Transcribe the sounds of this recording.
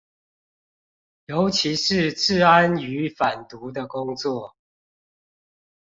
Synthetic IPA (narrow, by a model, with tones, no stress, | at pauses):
jo˨˦˥ʊt͡ɕʰi˧˦ʂɻ̩˥˨t͡sɹ̩˥˨a˦ny˧˦fa˨˩nt̪u˨˦d̪ə˨kʊ˦˥ŋt͡swɔ˥˨